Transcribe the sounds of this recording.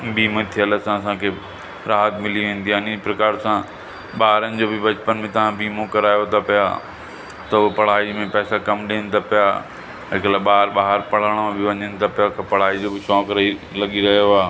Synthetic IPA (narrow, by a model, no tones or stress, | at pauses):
bʱiːmẽt̪ʰiələsãɐsãkʰe | ɾaːɦət̪mɪliĩːnd̪iaːnĩpɾɐkaːɾsã | ɓaːɦɾənɪ̆d͡ʑoːbɪbɐt͡ɕpənmẽt̪ɐʋ̤ãbʱiːmõkɐɾaːjot̪ʰapɐja̰ | t̪ɐʊepɐɽ̤aːimẽpɛːsakɐmɗiənɪ̆t̪ʰapɪja | ɦɪkəlaɓaːəɾɓaːɦəɾpɐɽ̤aɽ̃ãbɪʋɐɲənɪ̆t̪ʰapɪjakʰepɐɽ̤aːid͡ʑobɪt͡ɕɔ̃ːkɾilɐɠiɾɐɦijoaː